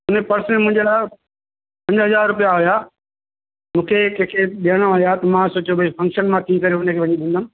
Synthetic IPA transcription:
ɦʊnəpɐɾsnmʊ̃ɪ̃ɲd͡ʑelaː | pɐ̃ɲd͡ʑɦɐzaːɾɾʊpijaɦʊja | mũːkʰekẽkʰeɗiəɽ̃aɦijat̪ɐmãsoːt͡ɕobʱɐifɐ̃ŋkʃənmãt̪ʰĩkɐɾeʊnə̆kʰeːʋɐɲiɗĩːnd̪ənɪ̃̆

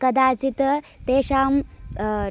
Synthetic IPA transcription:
kɐd̪aːt͡sit̪ | t̪eːʃaːm

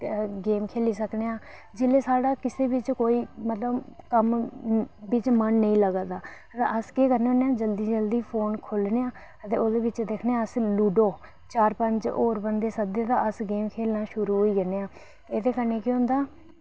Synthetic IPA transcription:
ɡeːmkʰeːliːsəkneːãː | d͡ʒɪleːsaːɽaːkɪseːʋɪt͡ʃkoːiːmət̪ləbkəm | bɪt͡ʃmənːəĩːləɡaːd̪aː | t̪a̰ʔəskeːkəɾneːõːneːãːd͡ʒəld̪iːd͡ʒəld̪iːpʰoːnkʰʊlneːãː | ət̪eːoːd̪eːʋɪt͡ʃd̪eːkʰneãːəsluːɖoː | t͡ʃaːɾpəɲd͡ʒoːɾbənd̪eːsəd̪eːd̪aːəsɡeːmkʰeːlnaːʃʊɾuːɦoːiːɡəneːaː | eːd̪eːkəneːkẽɦʊ̃nd̪aː

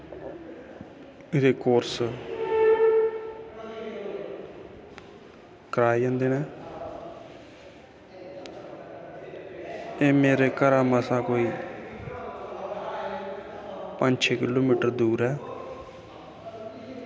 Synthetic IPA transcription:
ɪɾeːkoːɾs | kəɾaːiə̃ːnd̪eːneː | eːmeːɾeːkəɾaːməsãːkoːiː | pəɲt͡ʃʰeːkɪloːmiːʈəɾd̪uːɾɛː

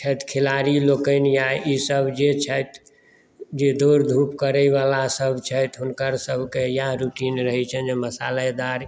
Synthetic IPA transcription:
t͡ʃʰət̪kʰilaɾilokənjaisəbʱd͡ʒet͡ʃʰət̪ | d͡ʒed̪oɾd̪ʱupkəɾəɪʋalasəbʱt͡ʃʰət̪ɦʊnkəɾsəbʱkejaɾuʈinɾəɦɛt͡ʃʰənd͡ʒeməsalad̪aɾ

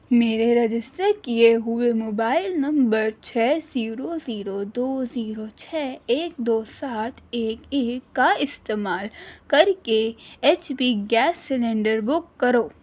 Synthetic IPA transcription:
meːɾeɾɐd͡ʒɪsʈəɾkieɦʊemoːbaːɪlnɐ̃mbəɾt͡ʃʰɛːziːɾoziːɾod̪oːziːɾot͡ʃʰɛːeːk̚d̪oːsaːt̪ʰeːkeːkːaɪst̪eːmaːlkɐɾkeɛt͡ʃbiɡɛːsːɪlẽɳɖəɾbʊkːɐɾoː

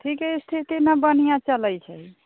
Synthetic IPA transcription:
ʈʰikɦɛst̪ʰit̪inəbənijãt͡ʃələjt͡ʃʰəi

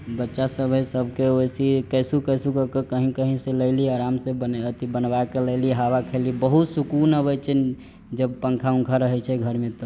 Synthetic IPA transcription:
bətːʃasəbʱesəbʱkeojsikəɪsukəɪsukəkekəɦĩkəɦĩseləɪliaɾamsebənət̪ibənbakeləɪliɦaβakʰelibəɦut̪sukunəβɛt͡ʃʰɛn | d͡ʒəb̚pəŋkʰaũŋkʰaɾəɦɛt͡ʃʰɛɡʱəɾmet̪ɔ

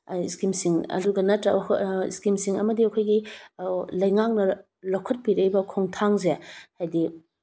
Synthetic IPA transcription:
iskimsiŋɐ̰duɡɐnɐtɾaḭskimsiŋɐmɐdiɐkʰojɡi | lɐjŋak̚nɐ | lokʰɐt̚piɾɐjbɐkʰoŋtʰaŋzehajdi

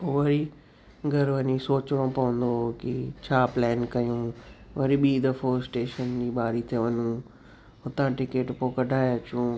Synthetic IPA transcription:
poʋɐɾi | ɡʱɐɾʋɐnĩsoːt͡ɕɪɽ̃õpɐʋə̃nd̪okɪt͡ɕʰaːplɛːnkɐjũʋɐɾiɓiːd̪ɐfoːsʈeːʃənd͡ʑiːɓaːɾit̪ʰeʋɐɲũ | ʊt̪ãʈɪkeːʈpoːkɐɖʱaːjt͡ɕũː

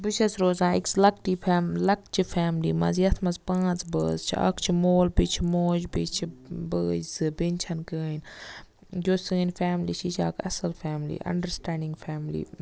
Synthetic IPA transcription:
bɨʃɐsɾoːzãːikslɐk̚ʈilɐk̚t͡ʃʰifʰɛːmlḭmɐ̰zjɐt̪ʰmɐzpãːt͡sbəːzt͡ʃʰiɐ̰kt͡ʃʰimoːlbit͡ʃʰimoːd͡ʒbit͡ʃʰibəːd͡ʒzɨbenʲt͡ʃʰɐnkəːn | d͡ʒoːsɨːnʲfɛːmlit͡ʃʰit͡ʃʰaːkʰɐsɐlfaːmlḭʔɐ̰ɳɖəɾsʈɛ̃ːɳɖiŋɡfɛːmlḭ

